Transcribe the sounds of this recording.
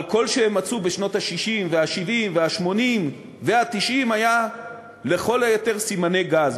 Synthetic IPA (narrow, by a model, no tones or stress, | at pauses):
lko̞lʃeemːat͡subeʃno̞t̪haʃiʃimveaʃivimveaʃmo̞nim | ve̞hat̪iʃimaja | le̞χo̞lajote̞ʁsimane̞ɡaz